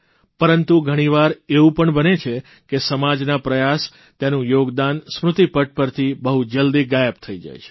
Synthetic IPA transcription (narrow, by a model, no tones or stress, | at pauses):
pəɾənt̪uɡʱəɽ̃iʋaɾeʋũpəɳbənet͡ʃʰe | kesəmad͡ʒnapɾəjas | t̪janũjoɡd̪ansmɾʊt̪ipəʈ̚pəɾt̪ʰibəɦud͡ʒəld̪iɡajəp̚t̪ʰəid͡ʒa̰jt͡ʃʰe̥